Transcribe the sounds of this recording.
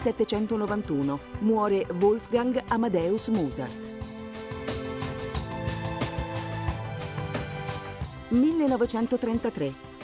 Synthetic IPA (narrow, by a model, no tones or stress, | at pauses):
sɛt̪ːet͡ʃɛnt̪onovant̪uːnomwɔːɾevolfɡaŋɡamad̪ɛːusmuza̰rt̪ | milːenɔvet͡ʃɛnt̪ot̪ɾɛnt̪at̪ɾe